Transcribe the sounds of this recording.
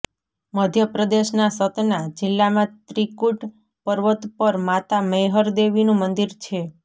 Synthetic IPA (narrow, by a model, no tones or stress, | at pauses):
məd̪ʱjəpɾəd̪eʃnasət̪nad͡ʒɪlːamãt̪ɾikuʈ | pəɾʋət̪pəɾmat̪aməjɦəɾd̪eʋinũmənd̪iɾt͡ʃʰe